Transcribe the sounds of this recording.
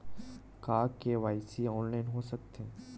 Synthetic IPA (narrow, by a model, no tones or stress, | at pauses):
kaːkːeʋaːɪsiɔːnlaːɪnɦosək̚t̪ʰẽ